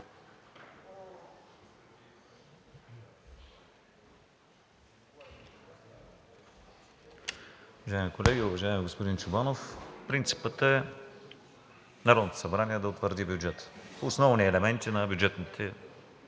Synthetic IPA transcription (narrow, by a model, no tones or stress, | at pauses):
ʊvɐʒaɛmikolɛɡʲiʊvɐʒaɛmɛɡospʊd̪int͡ʃʊbanofpɾint̪si̥pət̪əɛ | naɾɔd̪not̪o̥sɐbɾaniɛd̪ɐot̪vəɾd̪ibʲjud͡ʒɛt̪ə̥ːsnɔvniɛlɛmɛnt̪inɐbjʊd͡ʒɛt̪nit̪ʰɛ